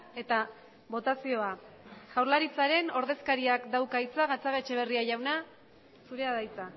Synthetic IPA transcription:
e̞t̪a | βo̞t̪asio̞a | ʝawɾlaɾit͡saɾe̞no̞ɾðe̞skaɾiakd̪awkajt͡saɣat͡saɣet͡ʃe̞β̞e̞riaʝawna | suɾe̞aðajt͡sa

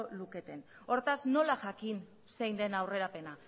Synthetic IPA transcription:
oluke̞t̪e̞n | o̞ɾt̪azno̞laʝakin | se̞jnd̪e̞nawre̞ɾape̞na

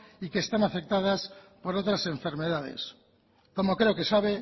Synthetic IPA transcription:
ike̞ːst̪anafe̞k̚t̪að̞aspo̞ɾo̞t̪ɾase̞ɱfe̞ɾme̞ð̞aðḛs | ko̞mo̞kɾe̞oke̞saβe̞

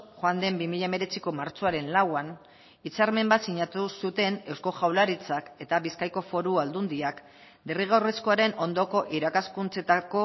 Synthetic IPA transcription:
xoand̪e̞mbimiʎaeme̞ɾe̞t͡siko̞maɾt͡ʃo̞aɾe̞nlawan | it͡saɾme̞mbat̪siɲat̪usut̪e̞ne̞wsko̞ʝawlaɾit͡sake̞t̪aβiskajko̞fo̞ɾuald̪und̪iak | d̪eriɣ̞awre̞sko̞aɾe̞no̞nd̪o̞ko̞ʔiɾakaskunt͡se̞t̪ako̞

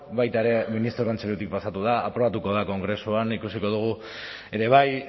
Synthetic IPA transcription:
βajt̪aeɾe̞minist̪ɾo̞kont͡selut̪ik̚pasat̪uð̞aa̰pɾo̞βat̪uko̞ð̞ako̞ŋɡɾe̞suanikusiko̞ð̞uɣ̞u | e̞ɾe̞β̞aj

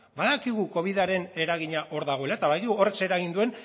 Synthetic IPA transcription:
baðakiɣ̞uko̞β̞iðaɾe̞ne̞ɾaɣ̞iɲaʔo̞ɾðaɣ̞o̞e̞laet̪aβajkiɣuo̞rekse̞ɾaɣ̞ind̪ue̞n

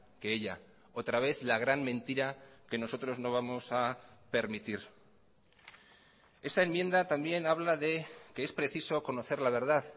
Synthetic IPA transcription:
keeʎa | o̞t̪ɾaβ̞e̞θlaɣ̞ɾanmẽ̞nt̪iɾake̞no̞so̞t̪ɾo̞zno̞β̞amo̞sape̞ɾmit̪iɾ | e̞st̪ae̞mje̞nd̪at̪ambje̞naβ̞laðe̞keespɾe̞θiso̞ko̞no̞θe̞ɾlaβ̞e̞ɾð̞að

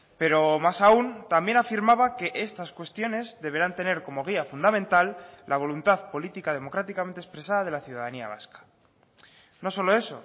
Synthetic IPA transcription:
pe̞ɾo̞masaunt̪ambje̞nafiɾmaβake̞ʔe̞st̪askwe̞st̪jo̞ne̞zðe̞β̞e̞ɾant̪e̞ne̞ɾko̞mo̞ɣ̞iafund̪amẽnt̪alːʔaβ̞o̞lunt̪aðpo̞lit̪ikað̞emo̞kɾat̪ikament̪espɾe̞saðað̞e̞laθjuðaðania̰β̞a̰skḁ | no̞so̞lo̞e̞so̞̰

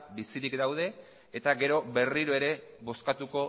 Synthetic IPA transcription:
bisiɾikd̪awð̞e̞ː | t̪aɡe̞ɾo̞βe̞riɾoe̞ɾe̞βo̞skat̪uko̞

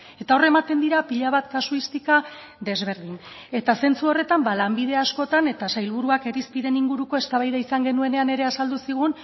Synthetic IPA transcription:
e̞t̪ao̞re̞mat̪e̞nd̪iɾapiʎaβat̪kasuist̪ika | ðe̞zβe̞ɾðin | e̞t̪ase̞nt͡suo̞re̞t̪ambalambiðe̞asko̞t̪ane̞t̪asajlβ̞uɾuake̞ɾispiɾe̞niŋɡuɾuko̞e̞st̪aβajðaisaŋɡe̞nue̞ne̞ane̞ɾe̞asald̪usiɣ̞un

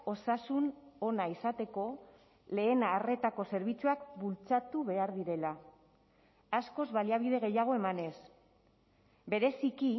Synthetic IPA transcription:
o̞sasuno̞naisat̪e̞ko̞ | le̞ːnaːre̞t̪ako̞se̞ɾβ̞it͡suakbult͡sat̪uβe̞aɾðiɾe̞la | sko̞zβaliaβ̞iðe̞ɣ̞e̞jaɣ̞o̞e̞mane̞s | be̞ɾe̞siki

